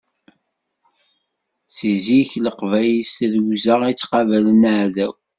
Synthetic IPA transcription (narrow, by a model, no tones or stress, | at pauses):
siziçləqvæjəst̪ðwzəʁit͡sːqɑvælənʕðæw